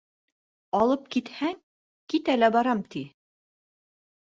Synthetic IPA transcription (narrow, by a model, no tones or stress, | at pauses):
ɑlˠɤp̚kit̪hæŋ | kit̪ælæbɑɾɑmt̪i